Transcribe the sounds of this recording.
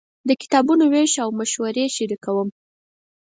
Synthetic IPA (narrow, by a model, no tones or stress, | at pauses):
d̪əkɪ̥t̪ɑbunoweʃawmaʃwaɾeʃiɾikawəm